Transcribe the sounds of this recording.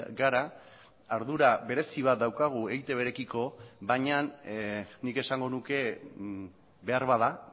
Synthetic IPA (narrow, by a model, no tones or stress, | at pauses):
ɡaɾa | aɾðuɾaβe̞ɾe̞siβ̞at̪̚d̪awkaɣ̞ue̞jt̪e̞βe̞ɾe̞kiko̞βaɲanː | ike̞saŋɡo̞nuke̞ | be̞aɾβaða